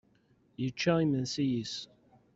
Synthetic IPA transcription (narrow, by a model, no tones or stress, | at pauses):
jət͡ʃːæimənsijis